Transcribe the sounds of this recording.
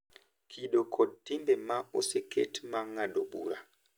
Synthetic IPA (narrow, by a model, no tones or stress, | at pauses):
kʰiɗɔkʰɔtimbɛmaoseketmaŋaɗoɓṵɾa̰